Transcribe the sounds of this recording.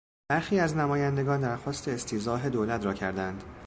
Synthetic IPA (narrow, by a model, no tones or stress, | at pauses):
b̥æɾxiːæznæmɒːjænd̪e̞ɡɒːnd̪æɾxɒːst̪ʰe̞ːst̪ʰiːzɒːɦe̞d̪olæt̪ʰɾɒːcʰæɾd̪ænd̪